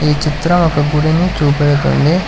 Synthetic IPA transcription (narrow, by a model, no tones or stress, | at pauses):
iːt͡ʃit̪ɾɐmɔkɐɡuɽinit͡ʃuːpɛɽɐt̪o̰ɳɖi